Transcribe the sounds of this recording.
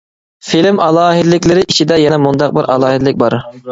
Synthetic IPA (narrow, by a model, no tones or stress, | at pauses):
filɪmɑlˠɑːɦɨd̪ɪlɪkʲlɪɾɪʔit͡ʃʰid̪ɛjɛnɛmund̪ɑq̚bɪɾʔɑ̰lˠɑːɦɨd̪ɪlɪk̚ʲbɑɾ